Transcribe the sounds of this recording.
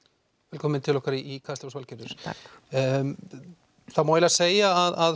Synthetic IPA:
vɛlkʰɔːmɪnt̪ʰɪlɔhkaɾiːkʰast̪ɪɔsvalcɛɾʏɾ̥ | θaðmawjɪlɪaseːjaaðað

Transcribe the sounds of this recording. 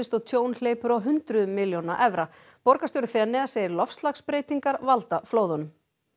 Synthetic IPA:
ɪst̪ɔɣt̪ʰjoːwnl̥eːjpʏɾɔwɦʏnt̪ɾʏmɪljownaʔɛvɾa | pɔɾkast̪owɾʏfɛnːɛɣaseːjɪɾlɔfst̪lakspɾeːjt̪iŋkaɾvalt̪afloːwðɔnʏm

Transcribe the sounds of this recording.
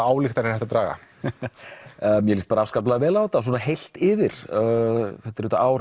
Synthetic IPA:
aːwlɪxt̪aɾɛnɛt̪at̪ɾaːɣa̰ | mjɛlist̪̚paɾaaskap̬lavɛːlawt̪as̬wɔːnaɦejl̥t̪ɪːvɪɾ̥ | θɛht̪ɪɾɛːt̪a̰ʔaːwɾ

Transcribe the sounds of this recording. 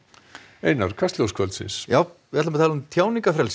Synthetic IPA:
eːjnaɾ̥kʰast̪ljowskʰvœlt̪sɪ̰nsjaːw | ɪɛt̪lamɾt̪ʰalʏmt̪ʰjaːwniŋkafɾɛls

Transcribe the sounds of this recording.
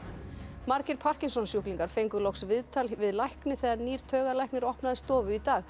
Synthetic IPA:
maɾcɪɾpʰar̥cɪnsɔnsjuhkliŋkaɾ̥fejŋkʏlɔwksvɪðt̪ʰalvɪðlajhknɪθɛɣðaɾniːɾ̥t̪ʰœːɣalajhknɪɾɔhpnaðɪst̪ɔːvʏit̪aːɣ

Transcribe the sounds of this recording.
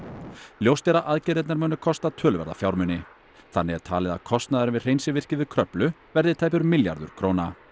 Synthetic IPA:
ljowst̪ɛɾaʔaðcɛɾɛt̪naɾmœːnʏkʰɔst̪at̪ʰœːlʏvɛ̰ɾða̰fjawɾmʏnːɪ | θanːɪɣɛɾ̥t̪ʰaːlɪða̰kʰɔst̪naðaɾɪvɪðr̥ejnsɪvɪr̥cɪðʏkʰɾœplʏvɛɾðɪt̪ʰaːjpʏɾmɪlja̰ɾðʏ̰ɾ̥kʰɾoːwna

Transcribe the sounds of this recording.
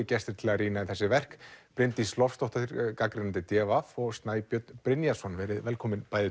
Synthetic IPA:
ɪcɛst̪ɪ̥ɾt̪ʰɪlariːnaiθɛsːɪvɛr̥kpɾɪnt̪ist̪lɔfst̪ɔht̪aθiɾkakɾɪnant̪ɪt̪jɛːvafɔɣst̪naːjpjœt̪npɾɪnjasɔnvɛːɾɪðvɛlkʰɔːmɪnpaːjðɪ

